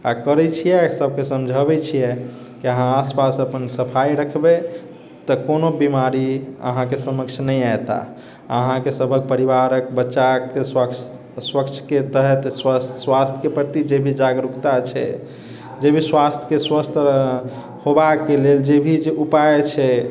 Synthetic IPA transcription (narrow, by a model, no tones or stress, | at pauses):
akəɾɛt͡ʃʰijɛsəbʱkesəmd͡ʒʱəbɛt͡ʃʰijɛ | kiəɦãaspasəpənsəpʰaiɾəkʰbe | t̪əkonobimaɾiə̰ɦãkesəməkt͡ʃʰnəjajt̪a̰ | əɦãkesəbʱək̚pəɾiβaɾəkbətːʃake | swəkt͡ʃʰket̪əɦɛt̪sːwast̪ʰjkepəɾt̪id͡ʒebʱid͡ʒaɡɾukt̪at͡ʃʰɛ̰ | d͡ʒebʱiswast̪ʰjə̥keswəst̪ʰ | hobakːeleld͡ʒebʱid͡ʒeʔupajt͡ʃʰɛ